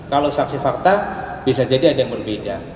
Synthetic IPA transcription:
kalowsaksifart̪a | b̥isad͡ʒadiadajaŋbərbeda

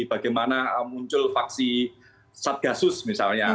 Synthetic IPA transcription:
ib̥a̤ɡajmanaəmuɲt͡ʃʊlfak̚si | sat̪̚ɡ̥asʊsmisalɲa

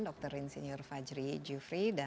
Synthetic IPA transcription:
ndɔk̚t̪əɾinseɲiɔrfad͡ʒɾid͡ʒufɾida

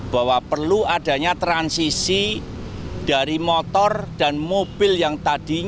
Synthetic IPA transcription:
b̥a̤wapərluad̥ä̤ɲat̪ɾansisi | d̥a̤ɾimɔt̪ɔrd̥a̤nmob̥ɪljaŋt̪ad̥i̤ɲ

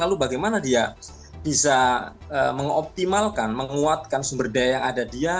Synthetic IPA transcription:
lalubaɡajmanadia | b̥isa | əməŋɔ̰p̚t̪imalkanməŋuat̪̚kansəmbərdajajaŋadadia

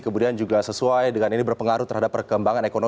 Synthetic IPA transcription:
kəmudiand͡ʒuɡasəsuajdəŋaninibərpəŋaɾut̪ərɦadapːərkəmbaŋanekono

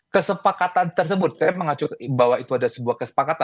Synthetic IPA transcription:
kəsəpakat̪ant̪ərs̬əbʊt̪̚sajaməŋat͡ʃʊkbawait̪uadasəbuahkəsə̥pakat̪a

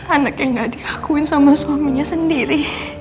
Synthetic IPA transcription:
anakjaŋɡaʔdiakuɪnsamaswamiɲasəndiɾi

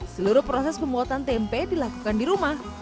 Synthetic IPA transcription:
səluɾʊpɾɔsɛspəmbuat̪ant̪empedilakukandiɾumah

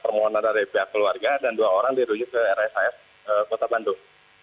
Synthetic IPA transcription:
pərmoɦɔnandaɾipeɦakːəluarɡadanduaoɾaŋdiɾud͡ʒikəɛɾaɛsaɛs | əkot̪abandu

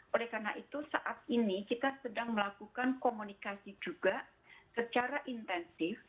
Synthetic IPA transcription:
ʔolɛhkarnaʔit̪usaʔat̪̚inikit̪asədaŋməlakukankomunikasid͡ʒuɡa | sət͡ʃaɾaʔint̪ɛnsɪf

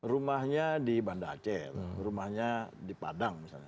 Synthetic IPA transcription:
rumahɲadibandat͡ʃɛrrumahɲadipa̰daŋmisa̰lɲa

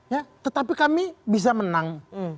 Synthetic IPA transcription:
jat̪ət̪apikamibis̬amənaŋ

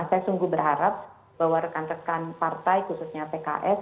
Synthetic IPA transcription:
sajasuŋɡubərɦaɾap̚ | b̥awaɾəkanrəkanpart̪ajkususɲapeka̰ʔɛs

